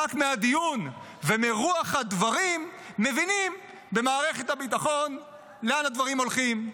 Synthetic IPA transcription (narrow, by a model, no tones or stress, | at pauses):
akmead̪ijun | vemeʁuaχhad̪vaʁimː | evinim | be̞maːʁe̞χet̪habit̪aχo̞n | leanad̪vaʁimolχim